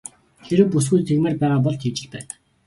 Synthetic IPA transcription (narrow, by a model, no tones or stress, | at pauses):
t̪ʰeɾɘ̆wpus̬ɡujt̪ʰeɣmĕːrpæːʁaːp̬ɔɮt̪ʰiːt͡ɕɪ̆ɮpæːn